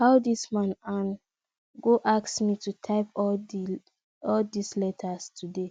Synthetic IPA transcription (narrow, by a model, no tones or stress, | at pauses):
hawdismãnãn | ɡoʔaksmitutʰaɪp | ɔldislɛtʰastʰude